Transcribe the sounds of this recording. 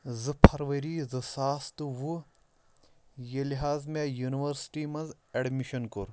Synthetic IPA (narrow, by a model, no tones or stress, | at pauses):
zɨpʰɐɾʋɐɾiːzɨsaːst̪ɨʋu | jeliɦaːzmejuniʋɐɾsi̥ʈiːmɐnz | eɖmiʃɐnkuɾ